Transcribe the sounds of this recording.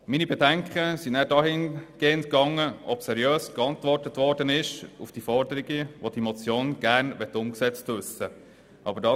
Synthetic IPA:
minibɛdæŋkχəsinæːɾdɑɦɪnɡ̥eːəntkɑŋːəʔɔbsɛɾjøːskɑntʋɔrtətʋɔɾdənɪʃufd̥ifɔɾdəɾiɡəʋod̥imɔt͡sjoːnɡ̥æɾnʋɛtːʊmksɛt͡stʋʏsə | ʔɑb̥ədɑ

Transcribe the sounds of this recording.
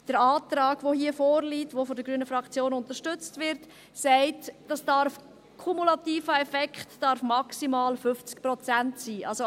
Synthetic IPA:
d̥əɾɑːt̪ɾɑːɡ̥ʋohiːəfoːɾliːtʋofɔdəɡɾyənəfɾɑkt͡sjoːnʊntəʃtʏt͡stʋɪɾt | sæɪtd̥ɑsd̥ɑɾf | kʰumulɑtiːfəɛfɛkχtd̥ɑɾfmɑksimɑːlfʏft͡sk̚prɔt͡sæntsiːʔɑlso

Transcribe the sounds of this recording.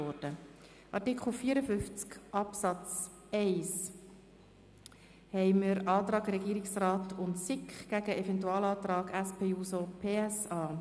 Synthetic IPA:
ɔɾd̥ə | ʔɑɾtikχl̩fiːəɾəfʏnft͡skʔɑpsɑt͡s | ɛɪs | hɛɪməɾɑːt̪ɾɑːɡɾɛɡiːɾɪksraːtʊntsɪkχɡ̥æɡəʔɛfɛntuɑːlɑːt̪ɾɑːɡæspʰeːuːsopʰeːɛsɑː

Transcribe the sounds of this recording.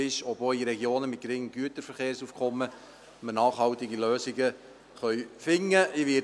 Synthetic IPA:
ɪʃɔboiɾɛɡjoːnəmɪt̚ɡ̥ɾɪŋəmɡyətəɾfəɾχeːɾsuːfkʰɔmːə | mənɑːχɦhɑltɪɡiløːsɪɡə | χœʏfɪŋːəʔɪʋɪ

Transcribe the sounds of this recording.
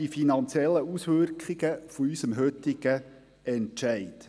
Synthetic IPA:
ifinɑnt͡sjɛlːəusʋʏɾkχɪɡəfoysəmɦøt̪ɪɡ̥ə | ɛntʃæɪt̪

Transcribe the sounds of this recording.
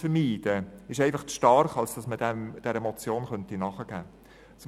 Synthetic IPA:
fəɾmiːd̥əɪʃɛɪfɑχt͡sʃtɑɾχɑlsd̥ɑsmədɛmd̥ɛɾɛmɔt͡sjoːnχœntinɑχəɡ̥æː | s

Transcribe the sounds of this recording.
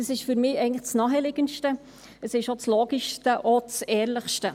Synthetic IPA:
əsɪʃfyɾmɪːɛɪɡənləxt͡snɑːɦɛlɪɡənʃtə | əsɪʃot͡sloːɡiʃtəʔot͡sɛːrləχʃtə

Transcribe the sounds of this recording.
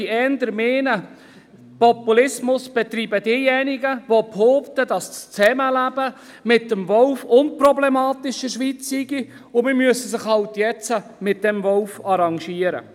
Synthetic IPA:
iɛːndəɾmeːnə | pɔpulɪsmʊsb̥ɛt̪ɾiːbəd̥iːjɛnɪɡəʋophoːptədɑst͡st͡sɛməlæb̥ə | mɪt̚ːəmvɔlfʊnprɔblɛmɑːtɪʃəʃʋit͡sːiɡi | ʊmɪmyəsəsɪχhɑwtjɛt͡səmɪt̚d̥ɛmvɔlfɑɾɑŋʃiːəɾə̰

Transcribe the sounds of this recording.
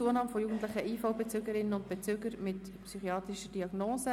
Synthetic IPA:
t͡suənɑːmfɔjuːɡən̩t̪ləχəʔiːfoʊbet͡søɡəɾɪnːənʊntb̥et͡søːɡəɾmɪt | psyχiɑːt̪ɾiʃəd̥iɑɡnoːsə

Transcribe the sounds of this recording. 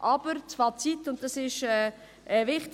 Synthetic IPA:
ʔɑb̥əɾt͡svɑːt͡sitːʊnt̚d̥ɑsɪʃɛː | ɛvɪχt

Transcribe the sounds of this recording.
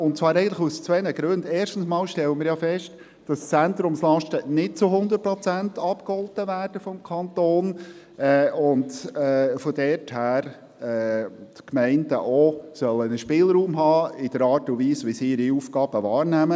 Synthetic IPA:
ʊntt͡svɑːɾɛɪɡəntləust͡sʋɛnəɡɾøndeːɾʃtn̩smɑːlʃtɛləmɪːɾjɑfɛʃt | d̥ɑst͡sænt̪ɾʊmslɑʃtənɪd̚t͡sʊɦʊnd̪ət̚pɾɔt͡sæntʰɑpkhɔltəvæːɾd̥əfɔmkʰɑnt̪oːn | ɛʊndɛfɔdɛɾthæːɾ | ɛːtkmɛɪndəʔɔsœlːənəʃpɪːlɾuːmɦɑːɪd̥əɾɑːɾtʊnviːsʋisiɪɾiuːfɡɑːb̥əʋɑːɾnæmə

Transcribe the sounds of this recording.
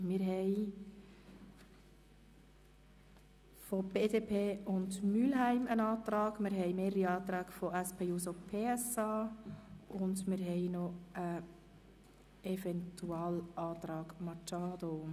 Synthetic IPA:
mɪɾɦɛj | fɔb̥eːdeːpʰeːʊndmylɦæɪmənɑːt̪ɾɑːɡmɪɾɦɛɪmeːɾəɾiɑːt̪ɾæːɡfɔæspʰeːjuːsopʰeːɛsɑː | ʔʊndmɪɾɦɛɪnɔə | ɛfɛntʰuɑːlɑːt̪ɾɑːɡ̥mɑt͡ʃɑːd̥o

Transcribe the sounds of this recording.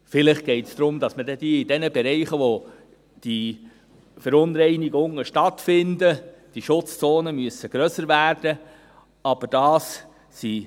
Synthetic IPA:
fɪlɪχɡ̥ɛɪtsd̥̪ɾʊmdɑsmədɛd̥iidɛnəbɛɾɛɪχəʋo | d̥i | fəɾʊnɾɛɪniɡʊŋːəʃtɑtfɪndəd̥iʃʊt͡st͡soːnəmyəsəɡ̥ɾœsəɾvæːɾd̥ə | ɑb̥əɾd̥ɑːs | si

